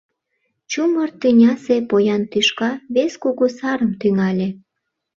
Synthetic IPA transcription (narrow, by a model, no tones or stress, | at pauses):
t͡ɕumərt̪inʲɑsepojɑnt̪yʃkɑβeskoɣosɑɾəmt̪yŋɑlʲe